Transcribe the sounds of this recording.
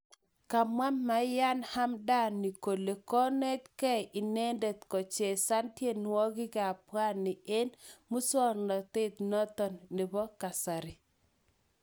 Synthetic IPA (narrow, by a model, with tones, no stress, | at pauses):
ka˨mwa˦mːa˨˦ja˦nha˦mda˦˨nːi˨ko˨le˨kɔ˦ne˦tkɛ˦ʔɪ˨ne˦nde˨t̪kɔ˨t͡ʃe˨sa˦ntje˦˨nwɔ˦ɡɪ˦ka˨pwa˦nɪ˨e˦nmu˦swɔ˦ɾnɔ˨t̪ɪ˦t̪nɔ˦t̪ɔ˦nːɪ˨bɔ˦ka˨sa˨ɾɪ˨